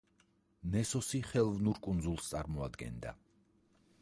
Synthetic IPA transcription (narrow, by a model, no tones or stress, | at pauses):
nɛsɔsiχɛlˠvnuɾkʼund̪zulˠst̪sʼaɾmɔad̪ɡɛ̰nd̪a̰